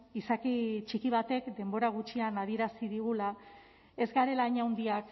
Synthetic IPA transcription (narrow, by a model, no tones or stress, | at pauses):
isakit͡ʃikiβ̞at̪e̞kd̪e̞mbo̞ɾaɣ̞ut͡ʃianað̞ie̞ɾasiðiɣ̞ula | e̞zɡaɾe̞laɲawnd̪iak